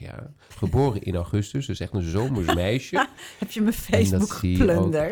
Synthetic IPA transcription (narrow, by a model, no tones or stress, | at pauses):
ja̰ | χəboːrəʔɪ̰nawχʏstəsdsɛχtənzowməɹsmɛjʃəhɛpjəməfejdbukχəipløondəɹ